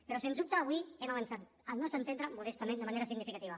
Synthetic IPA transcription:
peɾɔsenup̚t̪aːβwiɛmaβansat̪ | əlˠnɔst̪ɾənt̪end̪ɾəmuðest̪amẽnd̪əmaneɾasiɣnifikat̪iβ̞a

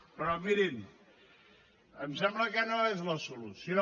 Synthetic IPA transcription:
pɾɔmiɾim | əmsɛmbləkənoezləsulusino

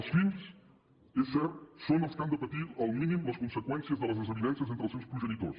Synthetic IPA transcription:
əlˠsfins | esɛɾsonəlˠskand̪əpət̪iɾalˠminĩmləskunsəkwɛnsjəzðələzðəzəβiðɛnsiəzent̪ɾəlˠsewspɾuʒənit̪o̰s

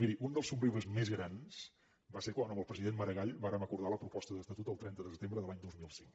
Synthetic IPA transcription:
miɾiʔund̪əlˠsubriβəzmezɣɾans | baseɾkwanəməlˠpɾəziðenməɾəɣaʎβaɾəməkuɾðaləpɾupɔst̪əðəst̪ət̪ut̪əlˠt̪ɾɛnt̪əðəsət̪embɾəðəlaɲd̪ozmilˠsiŋk

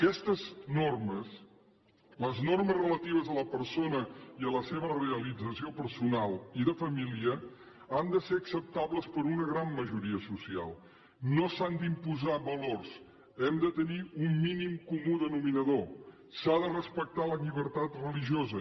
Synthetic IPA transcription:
əkɛst̪əznorməs | ləznorməzrələt̪iβ̞əzələpəɾsonəiələseβ̞əreəlid͡zəsiopəɾsunalˠiðəfəmiliə | and̪əseɾəksəp̚t̪aβləspəɾunəɣɾamːəʒuɾiəsusia̰lˠ | nosand̪impuzaβəlors | ɛmd̪ət̪əniumːinimkumuðənuminəðo | saðərəspək̚t̪aləʎiβəɾt̪at̪rəliʒiozə

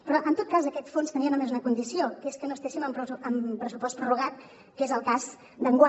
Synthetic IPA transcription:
pɾɔʔənt̪ot̪̚kazəkɛt̪fonst̪əniəməmezunəkund̪isiokeskənoəst̪eʃiməmpɾəmpɾəsupɔst̪pɾuruɣ̞at̪̚ | kezəlˠkaz | d̪əŋɡwa

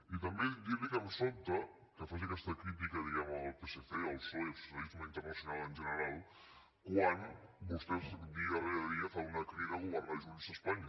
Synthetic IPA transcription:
it̪əmbed̪iβiɣɛmsont̪ə | kəfaʒakɛst̪əkɾit̪ikəðiɣɛməlˠpeseθeəlˠsɔssəizməint̪ərnɐsjunalˠənʲʒənəɾalˠ | kwanbust̪ɛzd̪iɣəreəðiəfaunakɾiɣəɣuβəɾnalʒunizəspaɲ

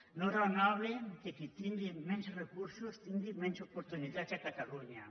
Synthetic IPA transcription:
noɾanaβlek̪ekit̪ind̪imensrekuɾsost̪ind̪imensopoɾt̪unid̪at͡ʃakat̪aluɲa

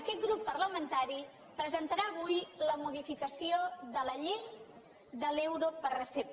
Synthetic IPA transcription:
əkɛt̪̚ɡɾupːərləmənt̪aɾi | pɾəzənt̪əɾaəβ̞ujləmuðifikəsioðələʎej | ðəlewɾopərrəsep̚

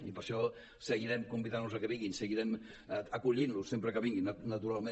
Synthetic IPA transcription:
ipəɾʃɔ | səɣiɾɛmkumbiðanːuzəkɛβiŋɡinsəɣiɾɛm | əkuʎinlusːempɾəkəβiŋɡinnət̪uɾalˠmẽ

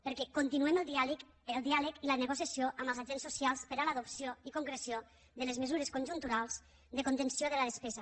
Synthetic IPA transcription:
pəɾkɛkont̪inuɛməlˠd̪ialk | əlˠd̪ialəkilənəɣ̞osjasioʔəmbəlˠzaʒensusialˠspəɾalaðopsioikoŋkɾesio | ðəlezmezuɾeskonʲʒunt̪uɾalˠz̥ | ðəkont̪ənsioðələðespɛzɐ

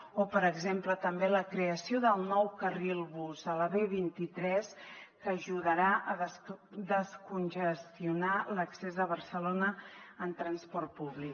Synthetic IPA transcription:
opəɾəɡzemplət̪əmbeləkɾeəsioðəlˠnɔwkərilˠβuzələβeβint̪it̪ɾɛskəʒuðəɾaʔəðd̪əskunʲʒəst̪iunaləksezðəβərsəlonəːnt̪ɾənspɔrt̪̚puβlik

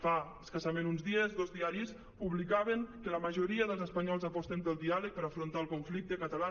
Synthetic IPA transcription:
faəskəsamenunzðiəzðozðiaɾis | puβlikaβəŋkələməʒoɾiəðəlˠzəspəɲɔlˠzapɔst̪əmpəlˠd̪ialək̚pəɾafɾont̪alˠkuɱflik̚t̪əkət̪ala

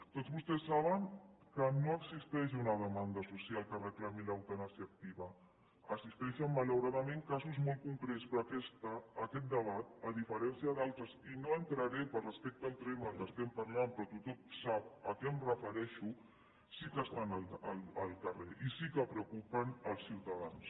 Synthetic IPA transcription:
t̪otzβust̪ɛsːaβ̞əŋkənoəɡzist̪ɛʃunəðəmand̪asusialˠkərəklamilawt̪anasiək̚t̪iβə | əsist̪ɛʃəmːalawɾaðəmẽŋkazuzmolˠt̪̚kuŋkɾɛt̪spɾɔakɛst̪əːkɛt̪̚d̪əβ̞at̪̚əðifəɾɛnsiəðalˠt̪ɾəzinoənt̪ɾəɾɛpəlrəspek̚t̪əːlˠt̪ɾeməlˠd̪əst̪ɛmpaɾlampɾɔt̪ut̪ɔmsap̚əkɛmrəfəɾɛʃu | sikəst̪anələlˠəlˠkəreʔisikəpɾəukupənəlˠsiwt̪aðans

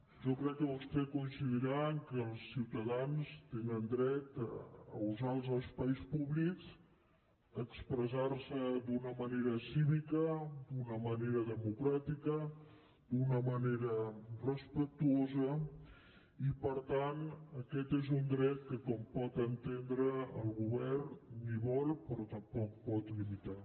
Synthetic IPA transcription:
ʒɔkɾɛkːəβust̪ekuinsiðiɾaŋkəlˠsːiwt̪əðanst̪enənd̪ɾɛt̪əuzalˠzəlˠspajspuβlikz | əkspɾəzaɾsəd̪unəməneɾəsiβikəd̪unəməneɾəðəmukɾat̪ikə | d̪unəməneɾərəspək̚t̪uozə | ipəɾt̪anəkɛt̪ezund̪ɾɛt̪̚kəkɔmpɔt̪ənt̪end̪ɾəəlˠɣuβɛrnniβɔlˠpɾɔt̪əmpɔk̚pɔt̪limit̪a

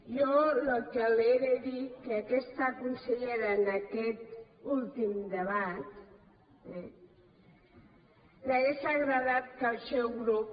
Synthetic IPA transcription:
jɔlokəleɾeðikəːkɛst̪akunsəʎeɾaːnəkɛt̪ulˠt̪imd̪əβat̪ | ɛ | naɣeʃaɣɾəðat̪̚kəlˠsɛwɣɾup̚

